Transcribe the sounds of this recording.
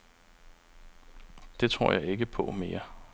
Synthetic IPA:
d̥e̝t͡sʰʁo̝ɐ̰jɑ̈ɪe̝ɡ̥əpʰɒ̽me̝ːɐ

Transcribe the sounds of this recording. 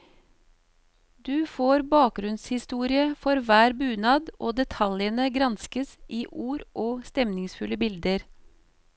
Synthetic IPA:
d̪ʉːfoːɾbɑːk̚ɡɾʉnshɪst̪uːɾɪəfɔɾʋæːɾbʉːnɑːd̪ʔoːd̪ɛt̪ʰɑljənəɡɾɑnskəsʔiːʔuːɾʔoːst̪ɛmnɪŋsfʉləbɪld̪əɾ

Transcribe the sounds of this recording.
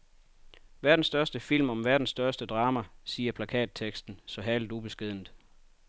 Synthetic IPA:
ʋæɐd̥n̩sd̥ɶɐsd̥əfil̰mɒ̽mʋæɐd̥n̩sd̥ɶɐsd̥əd̥ʁɑ̈ːmæsiːɐpʰlækʰɛ̰ːd̥̚t͡sʰeɡ̥sd̥n̩sɒ̽ɦæld̥ub̥e̝sɡ̥e̝ð̰ˠn̩ð̩ˠ

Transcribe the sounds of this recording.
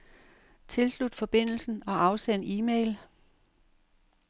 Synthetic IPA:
t͡sʰe̝lslud̥fɒ̽b̥e̝n̰l̩sn̩ɒ̽ʔɑ̈ʊseniːmḛɪl

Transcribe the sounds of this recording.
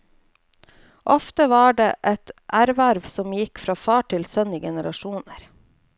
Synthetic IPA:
ʔɔft̪əʋɑːɖeːʔɛt̪ʔæɾʋæɾʋsɔmjɪkfɾɑːfɑːʈʰɪlsœnɪɡɛnəɾɑʃuːnəɾ

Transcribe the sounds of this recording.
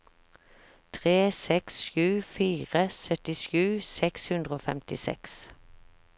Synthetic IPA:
t̪ʰʁeːsɛksʃʉːfiːʁəsœt̪ɪʃʉːsɛkshʉnd̪ʁəoːfɛmt̪ɪsɛ̰ks

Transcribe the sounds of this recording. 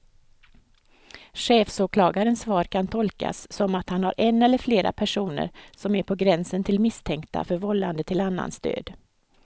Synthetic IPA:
ɧeːfsoːkʰlɑːɡaɾənsvɑːɾkʰant̪ʰɔlka̰sːɔmat̪hanhaɾʔɛnːɛlːəɾfleːɾʔa̰pʰæʂuːnə̰ɾsɔmæɾpʰɔɡɾɛnsənt̪ʰɪlmɪst̪ʰɛŋkt̪a̰fœɾvɔlːa̰nd̪ət̪ʰɪlanːa̰nst̪ø̰ːd̪

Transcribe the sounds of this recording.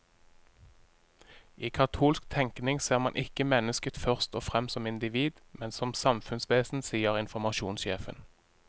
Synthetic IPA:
ʔiːkʰɑt̪ʰuːlskt̪ʰɛŋknɪŋseːʁmɑnʔɪkəmɛnəskət̪fœʁst̪oːfʁɛmsɔmɪnd̪ɪʋiːd̪ | mɛnsɔmsɑmfʉnsʋeːsn̩siːəʁɪnfɔmɑʃṵːnsʃeːfə̰n

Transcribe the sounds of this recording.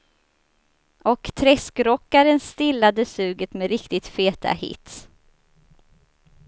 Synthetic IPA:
ʔɔkt̪ʰɾɛskɾɔkːaɾənst̪ɪlːad̪əsʉ̟ːɡət̪mɛɾɪkt̪ɪt̪feːt̪ʰa̰hɪ̰t̪s

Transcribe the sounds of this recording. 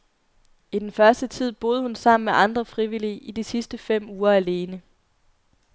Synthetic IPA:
id̥enfɶɐsd̥ət͡sʰið̰ˠb̥o̝ːð̞ˠhunsɑ̈m̰n̩meʔɑ̈nd̥ʁɐfʁiʋiliːʔid̥isisd̥əfem̰uːɐæle̝ːnə

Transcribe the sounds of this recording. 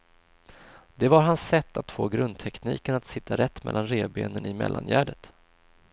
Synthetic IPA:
d̪ɛvaɾɦansːɛt̪ʰːat̪ːfoːɡɾɵnd̪̚t̪ʰɛkniːkənat̪sɪt̪ʰːaɾɛt̪ːmɛ̰lːanɾeːbeːnənɪmɛ̰lːʔa̰njæːɖət̪

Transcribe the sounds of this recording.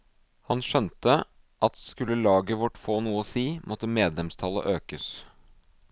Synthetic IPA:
hɑnʃœnt̪ə | ʔɑt̪skʉlːəlɑːɡəʋɔʈːfoːnuːəɔsiːmʔɔt̪ːəmeːd̪lɛmst̪ʰɑlə̰ʔøːkəs

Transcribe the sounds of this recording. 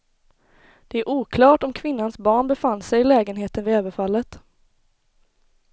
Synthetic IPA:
d̪̥ɛæɾʔuːkʰlɑːʈɔmkʰvɪnːansbɑːɳbɛfanːsɛjɪlɛːɡənɦeːt̪ənvɪɛːbəfalːət̪

